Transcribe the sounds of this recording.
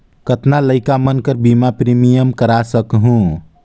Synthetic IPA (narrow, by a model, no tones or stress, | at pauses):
kət̪naləjkamənkəɾbimapɾimijəmkəɾasəkɦũ